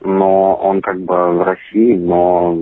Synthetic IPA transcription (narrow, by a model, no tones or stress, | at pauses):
noonkak̚bɨvɾɐsʲiɪno